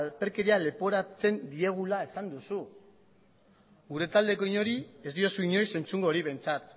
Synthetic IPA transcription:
lpe̞ɾke̞ɾiale̞po̞ɾat͡se̞nd̪ie̞ɣ̞ulae̞sand̪usu | ɡuɾe̞t̪ald̪e̞koiɲo̞ɾie̞zd̪io̞suiɲo̞ise̞nt͡suŋɡoɾiβe̞nt͡sat̪

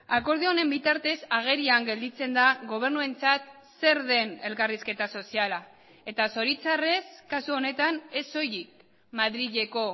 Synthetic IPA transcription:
ako̞ɾð̞eo̞ne̞mbit̪aɾt̪e̞saɣ̞e̞ɾiaŋɡe̞ld̪it͡se̞nd̪aɣo̞β̞e̞ɾnue̞nt͡sat̪ | se̞ɾðe̞ne̞lkariske̞t̪aso̞siala | e̞t̪aso̞ɾit͡sare̞skasuo̞ne̞t̪ane̞so̞jik̚ | maðɾiʝe̞ko̞

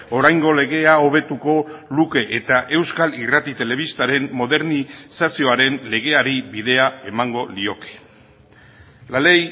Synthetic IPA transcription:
o̞ɾajŋɡo̞le̞ɣ̞e̞ao̞β̞e̞t̪uko̞luke̞ʔet̪aʔe̞wskalirat̪it̪e̞le̞βist̪aɾe̞mːo̞ðe̞ɾnisasio̞aɾe̞nle̞ɣe̞aɾiβiðe̞ae̞maŋɡo̞lio̞ke̥ | lalej

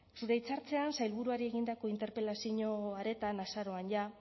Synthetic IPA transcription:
suɾe̞it͡saɾt͡se̞ansajlβuɾuaɾie̞ɣind̪ako̞int̪e̞ɾpe̞lasiɲo̞aɾe̞t̪anasaɾo̞anja

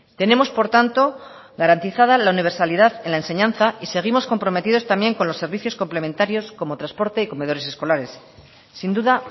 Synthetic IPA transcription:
t̪e̞ne̞mo̞spo̞ɾt̪ant̪o̞ | ɣaɾant̪iθað̞alauniβ̞e̞ɾsaliðaðe̞nlaense̞ɲãnθaise̞ɣ̞imo̞sko̞mpɾo̞me̞t̪iðo̞st̪ambje̞ŋko̞nlo̞sːe̞ɾβiθjo̞sko̞mple̞mẽ̞nt̪aɾjo̞sko̞mo̞t̪ɾaspo̞ɾt̪e̞iko̞me̞ðo̞ɾe̞se̞sko̞laɾe̞sː | ind̪uða

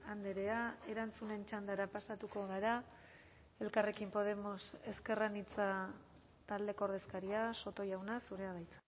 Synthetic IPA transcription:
and̪eɾeae̞ɾant͡sune̞nt͡ʃand̪aɾapasat̪uko̞ɣaɾa | e̞lkare̞kimpo̞ð̞e̞mo̞se̞ske̞ranit͡sa | t̪ald̪e̞kooɾð̞e̞skaɾiaso̞t̪o̞jawnasuɾe̞aβajt͡sḁ

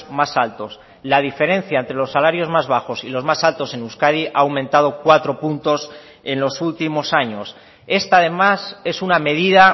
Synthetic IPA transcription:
masalt̪o̞s | lað̞ife̞ɾẽ̞n̟θjae̞nt̪ɾe̞lo̞sːalaɾjo̞zmazβ̞axo̞silo̞zmasalt̪o̞se̞nuskað̞iʔaːwmẽ̞nt̪að̞o̞kwat̪ɾo̞punt̪o̞s | e̞nlo̞sult̪imo̞saɲo̞s | e̞st̪aːðe̞mase̞suname̞ðiða

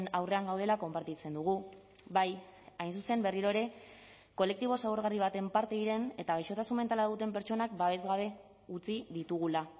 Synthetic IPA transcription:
nawre̞aŋɡawð̞e̞lako̞mpaɾt̪it͡se̞nd̪uɣ̞u | bajajnsuse̞mbe̞riɾo̞eɾe̞ | ko̞le̞k̚t̪iβ̞o̞sawɾɣ̞ariβ̞at̪e̞mpaɾt̪e̞iɾe̞ne̞t̪aɣajʃo̞t̪asume̞nt̪alaðut̪e̞mpe̞ɾt͡ʃo̞nak̚baβ̞e̞zɣaβ̞e̞ | ut͡siðit̪uɣ̞ula

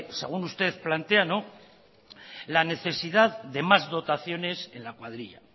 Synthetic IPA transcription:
se̞̰ɣ̞unust̪e̞θplant̪e̞ano̞ | lane̞θe̞siðaððe̞mazðo̞t̪aθjo̞ne̞se̞nlakwaðɾiʎa̰

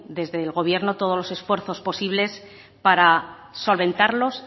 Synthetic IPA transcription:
d̪e̞zðe̞lɣo̞β̞je̞ɾno̞t̪o̞ð̞o̞zlo̞se̞sfwe̞ɾθo̞spo̞siβle̞s | paɾa | so̞lβẽ̞nt̪aɾlo̞s

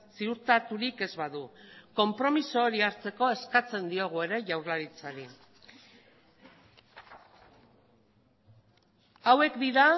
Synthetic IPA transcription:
siuɾt̪at̪uɾike̞zβaðuko̞mpɾo̞miso̞ːɾiaɾt͡se̞ko̞e̞skat͡se̞nd̪io̞ɣ̞ue̞ɾe̞ʝawɾlaɾit͡saɾi | awe̞kd̪iɾa

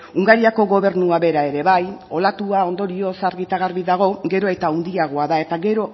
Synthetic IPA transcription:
uŋɡaɾiako̞ɣo̞βe̞ɾnuaβe̞ɾae̞ɾe̞βajo̞lat̪uao̞nd̪o̞ɾio̞saɾɣit̪aɣ̞aɾβiðaɣ̞o̞ɡe̞ɾo̞e̞t̪aund̪iaɣ̞o̞aðae̞t̪aɡe̞ɾo̞

